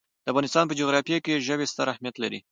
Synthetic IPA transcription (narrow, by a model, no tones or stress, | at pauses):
d̪̥əafɣɑnɪst̪ɑnpəd͡ʒoɣɾɑfjekeʒəwest̪aɾahmjat̪laɾḭ